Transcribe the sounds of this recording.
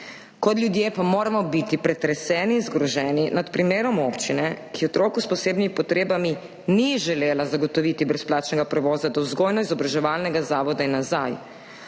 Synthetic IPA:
kɔt̪ljud̪jepamoːɾamɔbit̪ipɾɛt̪ɾɛsɛːniːnzɡɾɔʒɛːninat̪pɾimeːɾɔmoːpt͡ʃinɛkijɛɔt̪ɾoːkuspɔseːbnimipɔt̪ɾeːbami | niʒɛleːlazaɡɔt̪ɔʋit̪ibɾɛsplaːt͡ʃnɛɡapɾɛʋɔːzad̪awzɡojnɔizɔbɾaʒɛʋaːlnɛɡazaːʋɔd̪ainːazaj

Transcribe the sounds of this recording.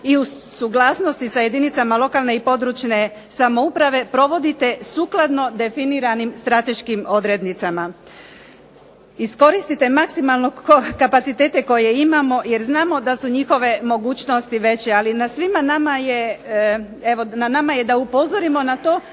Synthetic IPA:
iu | suɡlˠaːsno̞st̪isaje̞d̪init̪samalˠo̞kalˠne̞ipo̞d̪ɾut͡ʃne̞ | samo̞upɾaʋe̞pɾo̞ʋo̞d̪it̪e̞suklˠad̪no̞d̪e̞finiɾanimst̪ɾat̪e̞ʃkimo̞d̪ɾe̞d̪nit̪sama | isko̞ɾist̪it̪e̞maksimalno̞okapat̪sit̪e̞ːt̪eko̞jeimamo̞je̞ɾznaːmo̞d̪asuɲixo̞ʋe̞mo̞ɡuːt͡ɕnost̪iʋe̞t͡ɕealinasʋimanamaje | eʋo̞nanamaje̞d̪aupo̞zoɾimo̞nat̪o̞ː

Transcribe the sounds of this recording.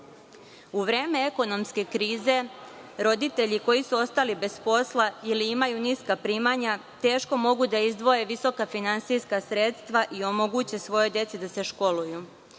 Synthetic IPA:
uʋɾe̞ːme̞eko̞no̞mske̞kɾiːze̞ɾo̞d̪it̪e̞ʎiko̞jisuo̞st̪alibe̞spo̞slˠailiimajuniskapɾiːmaɲa | t̪e̞ːʃko̞mo̞ɡud̪aizd̪ʋo̞je̞ʋiso̞kafinansijskasɾe̞t̪st̪ʋaʔio̞mo̞ɡut͡ɕe̞sʋo̞jo̞d̪je̞t̪sid̪ase̞ʃko̞luju

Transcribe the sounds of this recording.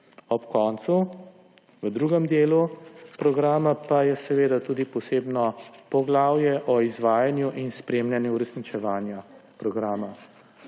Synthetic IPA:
ɔpkɔnt̪su | ʋəd̪ɾuːɡɛmd̪eːlupɾɔɡɾaːmapajɛsɛʋeːd̪at̪uːd̪ipɔseːbnɔpɔɡlaːwjɛʔɔizʋaːjanjuʔinspɾeːmljanjuːɾɛsnit͡ʃɛʋaːnjapɾɔɡɾaːma

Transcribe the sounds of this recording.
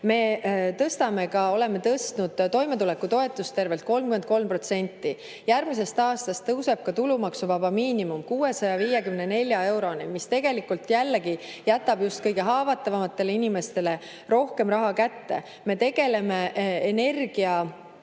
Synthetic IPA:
me̞t̪ɤst̪ɑme̞kɑo̞le̞me̞t̪ɤst̪nud̪̥t̪o̞jme̞t̪ulɛkːut̪o̞e̞t̪ːˑust̪e̞rve̞lt̪̚ko̞lmkyment̪̚ko̞lmpro̞t̪se̞nʲt̪ːˑi | jærmis̬e̞st̪ɑːst̪ɑst̪ːɤwse̞b̥̚kɑt̪ulumɑksuvɑbɑmiːnimumkuːe̞sɑjɑviːjekymne̞ne̞lʲjɑe̞wɾo̞nimist̪e̞ɡ̥e̞likːult̪jælːeɡijæt̪ːˑɑbjust̪̚kɤjɡ̥e̞ɦɑːvɑt̪ːˑɑvɑmɑt̪ːˑe̞leinimest̪e̞le̞ | ro̞hke̞mrɑɦɑkæt̪ːe̞̰ | me̞t̪e̞ɡ̥e̞le̞me̞ene̞rɡ̥iɑ

